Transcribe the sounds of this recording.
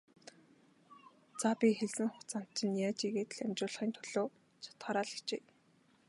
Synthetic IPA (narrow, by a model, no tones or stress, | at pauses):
t͡sapʲixeɮsɘ̆ŋχʊt͡san̥t̪̚t͡ɕɪ̆njaːt͡ɕiɣeːt̪̆ɮæmʲt͡ɕʊːɮχiːnt̪ʰʊ̥ɮ̥oː | t͡ɕʰḁt̪χaːɾaːɮə̥xt͡ɕeː